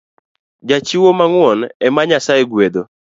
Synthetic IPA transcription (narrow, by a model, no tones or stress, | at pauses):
d͡ʒat͡ʃiwomaŋwɔnɛmaɲasajeɡwed̪o